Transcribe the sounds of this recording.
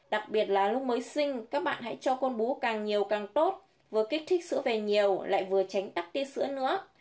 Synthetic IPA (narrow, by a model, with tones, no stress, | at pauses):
ɗa˨˩k̚ɓi˨˩ət̚laː˨˩lʊ˧k͡p̚məː˨˦jsï˧ŋ̟kaː˦˥k̚ɓa̰ː˧˨nɦa̰˧˥jt͡ɕɔ˧ko˧nɓu˨˦kaː˨˩ŋɲi˨˩əwkaː˨˩ŋt̪o˦˥t̚ | vɨ˨˩əkï˦˥k̟̚t̪ʰi˦˥k̟̚sɨ̰˧˥əve˨˩ɲi˨˩əwla̰ː˧˨jvɨ˨˩ət͡ɕa˨˦ŋ̟t̪aː˦˥k̚t̪i˧əsɨ̰˧˥ənɨ̰˧˥ə